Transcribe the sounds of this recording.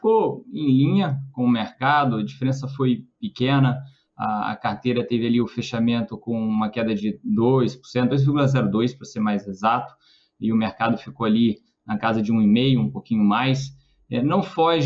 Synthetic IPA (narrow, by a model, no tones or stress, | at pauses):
fi̥koẽj̃lĩɲɐkõʊmeɾkad̪ʊɐd͡ʒifeɾẽsɐfojpikẽnɐ | ɐ̰ɐ̰kaɾt̪ejɾɐt̪evɪaliʊfeʃamẽnt̪ʊkõw̃ũmɐkɛd̪ɐd͡ʒɪd̪ojspʊ̥ɾsẽt̪d̪ojzviɾɣɡulɐzɛɾʊd̪ojspɾɐseɾmajzezat̪ʊ̥ | ɪʊmeɾkad̪ʊfikoali | nɐkazɐd͡ʒɪũimejʊũpokĩɲʊmajs | ɛnɐ̃w̃fɔʒ